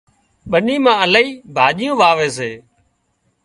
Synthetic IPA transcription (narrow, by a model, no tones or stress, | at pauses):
ɓəniːmãːəlaiːbʱaːʄɪjõːʋaːʋeːs̬eː